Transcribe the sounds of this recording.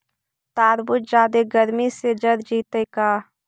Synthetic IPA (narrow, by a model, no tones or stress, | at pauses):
t̪aːɾbʊt̪̚d͡ʒaːd̪eɡəɾmised͡ʒəɾd͡ʒiːt̪ekaː